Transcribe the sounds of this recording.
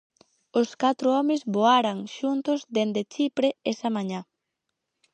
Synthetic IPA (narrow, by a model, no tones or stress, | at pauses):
ʊskat̪ɾʊɔmɪzβoaɾaŋʃunt̪ʊzd̪end̪et͡ʃipɾeesamaɲa